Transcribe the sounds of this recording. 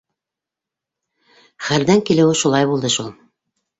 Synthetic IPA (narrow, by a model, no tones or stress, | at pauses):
χæɾðæŋkilɘ̆wɘʃulˠɑjbulˠd̪ɤʃulˠ